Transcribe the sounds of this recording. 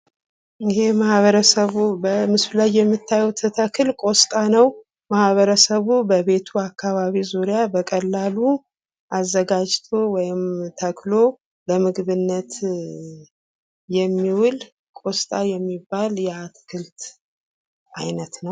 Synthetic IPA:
ɪɦe̞mahβəɾəsəβubəmɨslajːɛmːɨt̪ʰːajɛwt̪ʰət̪ʰəkʰɨlkʼo̞st̪ʼanəw | mahβəɾəsəβubəβe̞t̪ʰuakʰːaβaβizuɾjabəkʼəlːalu | ʔazːəɡad͡ʒt̪ʰowɔjɪmt̪ʰəkʰlo̞ | bəmɨɡβɨnːət̪ | jɛmːiwʊl | kʼo̞st̪ʼajɛmːibːaljɛat̪ʰə̥kʰɨlt̪ | ʔajnət̪nəw

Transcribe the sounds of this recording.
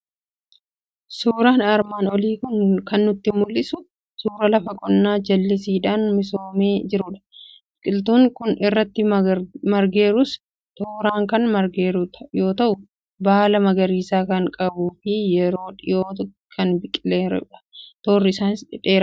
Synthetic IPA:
suːɾaːnɐɾmaːnɔliːkʊnkɐnːʊt̪ːɪmʊlːɪsʊ | suːɾɐlɐfɐkʼɔnːaːd͡ʒɐlːɪs̬iːᶑaːnmɪsoːmeːd͡ʒɪɾʊᶑɐ̥bɪkʼɪlt̪̬uːŋkʊnɪrːɐt̪ːɪmɐɾɡe̞ːɾʊs | t̪oːɾaːŋkɐnmɐɾɡeːɾjo̞ːt̪ɐʔʊ | baːlɐmɐɡɐɾiːsaːkɐŋkʼɐbuːfɪjɛɾo̞ːᶑɪjoː | kʰɐnbɪkʼɪleːɾ̰ᶑɐ̥t̪oːrːɪɪsaːnɪsᶑɪᶑe̞ːɾɐ

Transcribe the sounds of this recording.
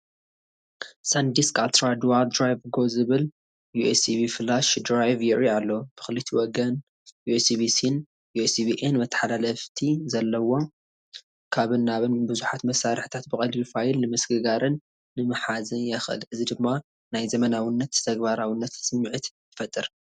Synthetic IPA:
sand̪iskʼalt̪ɾad̪wald̪ɾajvɡo̞zɨβɨl | juʔesibifɨlːaʃd̪ɾajvjɪʔialːo̞b̥ɨxɨlɨt̪ʰiwɔɡɐn | juesibisin | juʔesibiʔenmɐt̪ʰːħalalɐft̪ʰizɐlːɐwo̞ | kʰaβɨnːaβɨnbɨzuħat̪mɐsaɾɨħi̥t̪ʰat̪̚bɨkʼɐlbifajɪlnɨmɐsɡɨɡaɾɨnː | ɨmɨħazɨnjɐxʔɨ̰lɨzid̪ɨmːa | najzɐmɐnawinːɐt̪t̪ʰɐɡbaɾawinːɐt̪sɨmːiʕɨt̪jɪfɐt̪ʼːɨɾ

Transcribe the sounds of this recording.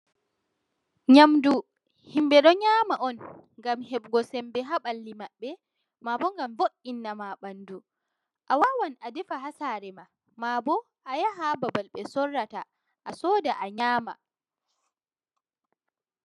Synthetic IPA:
ɲamdu | himbɛɗɔɲaːmaʔɔnŋɡamɦɛɓɡɔsɛmbɛɦaɓalːimaɓːɛ | mabɔŋɡamvoʔinːamaɓandu | ʔawawanadɛfaɦasaɾɛma | mabɔ | ʔajaɦababalɓɛsɔrːata | ʔasɔːdaʔaɲaːma̰

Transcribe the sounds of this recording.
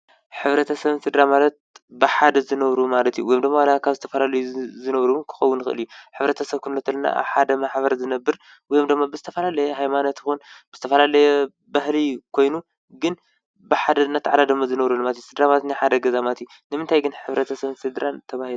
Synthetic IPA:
ħɨβɾɐt̪ʰɐsɐβsɨd̪ɾamalɐt̪̚bɨħad̪ɐzɨnɐβɾumalɐt̪jṵwɔjomd̪ɨmːaalakʰaβzɨt̪ʰɐfɐlalɐjuzɨnɐβɾuwɨnkʰɨ̥xɐwːunɨxɨʔɨ̰ljuħɨβɾɐt̪ʰɐsɐβkʰunlot̪ʰɐlna̰ʔa̰βħad̪ɐmaħbɐɾzɨnɐbːɨɾ | wɔjomd̪ɨmːabɨzɨt̪ʰɐfɐlalɐjɛɦajmanot̪ɪxunbɨz̥ɨt̪ʰɐfɐlalɐjɛ | baɦlikʰo̞jnu | ɡɨn | bɨħad̪ɐnɐt̪ʰːaʕad̪ad̪ɨmːazɨnɐβɾulːmalt̪jusɨd̪ɾamat̪najħad̪ɐɡɐzamat̪ju | nɨmɨnt̪ʰajɡɨnħɨβɾɐt̪ʰɐsɐβsɨd̪ɾant̪ʰɐβahilu

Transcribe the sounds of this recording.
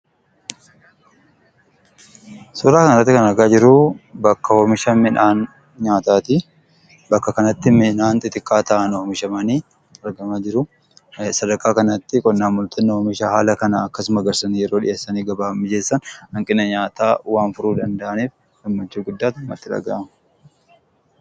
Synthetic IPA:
sɔɾaːkɐnɐt̪ːɪkɐnɐɾɡaːd͡ʒɪɾʊbɐkːɐhomɪʃɐmɪnaːn | ɲaːt̪aːt̪ɪ | bɐkːɐkɐnɐt̪ːɪmɪnaːnt̪ʼɪt̪ɪkʼːaːt̪ɐʔɐnomɪʃɐmɐniː | ɐɾɡɐmad͡ʒɪɾʊ | sɐd̪ɐɾkʼaːkɐnɐt̪ːɪkʼɔnːaːmːʊlt̪ʰɐnːɐhomɪʃahaːlɐkɐnɐːkːɐsʊmɐɡɐɾsɐnijɛɾo̞ːᶑɪ̰ʔeːsːɐniːɡɐbaːmːɪd͡ʒeːsːɐnhɐŋkʼɪnːɐɲaːt̪aːwaːnfʊɾuːd̪ɐnd̪ɐʔɐniːf | ɡɐmːɐnt͡ʃːuːɡʊd̪ːaːt̪ʊmːɐ̰t̪ːɪᶑɐ̰ɡa̰ʔɐm

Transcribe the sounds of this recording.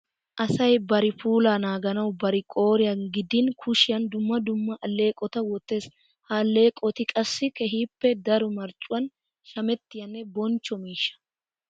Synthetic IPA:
ʔɐsɐjbɐɾɪfuːlaːnaːɡɐnɐwbɐɾɪkʼo̞ːɾɪjɐnɡɪd̪ɪnkʰʊʃɪjɐnd̪ʊmːɐd̪ʊmːɐʔɐlːe̞ːkʼɔt̪ɐwɔt̪ːe̞ːs | hɐːlːe̞ːkʼɔt̪ɪkʼɐsːɪkɛɦiːpːɛd̪ɐɾʊmɐɾt͡ʃʼʊwɐn | ʃɐmɛt̪ːɪjɐnːɛbɔnt͡ʃːɔmiːʃːɐ̥

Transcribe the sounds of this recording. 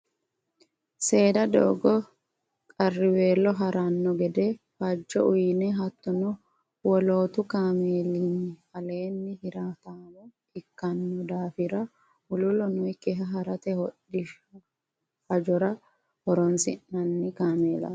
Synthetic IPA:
se̞ːd̪ɐd̪o̰ːɡɔ | kʼɐrːɪwe̞ːlːɔɦɐɾɐnːɔɡɛd̪ɛfɐd͡ʒːɔʔʊjnɛɦɐt̪ːɔnɔ | wɔlo̞ːt̪ʊkaːmeːlinːɪfɐleːnːɪhɪɾaːt̪aːmɔ | ɪkːɐnːɔd̪aːfɪɾɐ | ʊlʊlɔnɔjkːɛɦɐɦɐɾɐt̪ɛhɔɗɪ | hɐd͡ʒɔɾɐ | hɔɾɔnsɪ̰nːɐnːɪkaːmeːla̰ː

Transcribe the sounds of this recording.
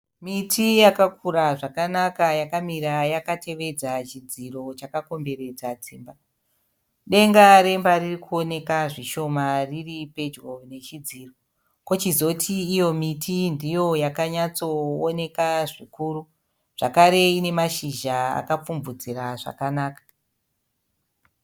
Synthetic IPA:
mitʰijakakuɾaʐakanakajakamiɾajakate̞ʋe̞d͡zat͡ʃid͡ziro̞t͡ʃakako̞mbe̞ɾe̞d͡zad͡ziːmba | ɗe̞ŋɡaɾe̞mbaririkuo̞ne̞kaʐiʃo̞mariripe̞d͡ʒɡone̞t͡ʃid͡ziːro̞ | ko̞t͡ʃizo̞tʰiːjo̞mitʰindijo̞jakaɲat͡so̞ːne̞kaʐikuːru | ʐ̥akaɾe̞ine̞maʃiʒaa̰kap͡fumbud͡ziɾaʐa̰kanaːkḁ

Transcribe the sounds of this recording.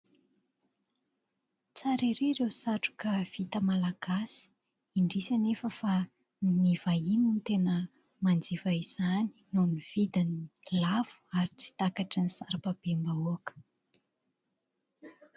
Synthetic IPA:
t͡saɾeɾeɾewsaʈ͡ʂu̥kəv̥it̪əmalaɡ̥asi̥ | iɳɖ͡ʐisanefəfa | nniv̥aininit̪enə | mand͡zivaiz̥ani̥nuniv̥id̪anilavu̥aɾit͡si̥t̪akaʈ͡ʂanisaɾapab̥embauakə̥

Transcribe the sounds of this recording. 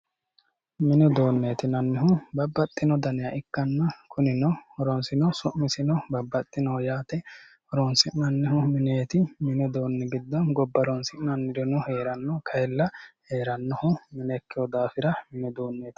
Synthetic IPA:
mɪnɔd̪o̞ːnːeːt̪ɪnɐnːɪɦʊbɐbːɐt̪ʼːɪnɔd̪ɐnɛjɐʔɪkːɐnːɐkʰʊnɪnɔhɔɾɔnsɪnɔsʊʔmɪsɪnɔbɐbːɐt̪ʼːɪnoːjaːt̪ɛ | hɔɾɔnsɪʔnɐnːɪhʊmɪneːt̪ɪmɪnɛd̪oːnːɛɡɪd̪ːɔnɡɔbːɐɾɔnsɪʔnɐnːɪɾɔnʊheːɾɐnːɔkʰɐjɛlːɐhe̞ːɾɐnːɔhʊmɪnekːɪjɔd̪aːfɪɾɐmɪnɛd̪oːnːeːt̪ɪ̥

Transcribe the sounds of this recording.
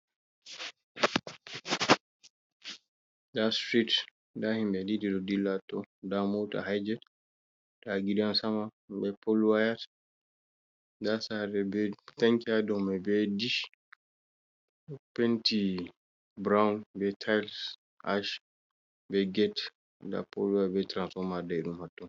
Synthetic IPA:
dastɾit | dahimbɛdididɔdilːatːɔdamowta̰hajd͡ʒɛ | d̥aɡidansamahbɛpɔlwajat | dasaɾɛbɛtaŋkadɔmɛbɛdiʃ | penti | bɾawnbɛtʰajls | ʔaʃ | bɛɡɛt | da̰po̰luwajbɛtɾansfɔɾmadaɛɗumhatːɔn

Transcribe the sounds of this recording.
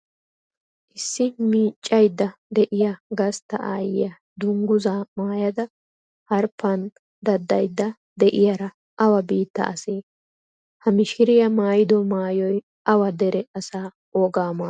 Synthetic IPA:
ʔɪsːɪmiːt͡ʃʼːɐjd̪ːɐd̪ɛʔɪjɐɡɐst̪ːɐʔa̰ːjɪ̰jɐ | d̪ʊŋɡʊzaːmaːjɐd̪ɐ | hɐɾpːɐn | d̪ɐd̪ːɐjd̪ːɐ | d̪ɛʔɪjɐɾɐ | ʔɐwɐbiːt̪ːɐ̰ʔɐseː | hɐmɪʃɪɾɪjɐmaːjɪd̪ɔmaːjɔj | ɐwɐd̪ɛɾɛɐsaː | ɔːɡaːmaː

